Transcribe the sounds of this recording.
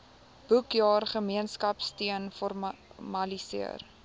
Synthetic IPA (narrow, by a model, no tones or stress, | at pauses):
b̥ukjɑːrχəmiənskɐpstiənfɔrmɐlisḭər